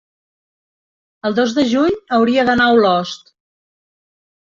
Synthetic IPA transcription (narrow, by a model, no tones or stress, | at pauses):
əlˠd̪ozðəʒuɲəwɾiəðənawlɔst̪